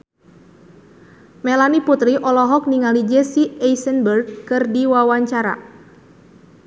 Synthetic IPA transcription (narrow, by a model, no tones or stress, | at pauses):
melaniput̪ɾiʔɔlɔɦɔk̚niŋalid͡ʒɛsiɛjsənbərɡ̚kɨrdiwawaɲt͡ʃaɾa̰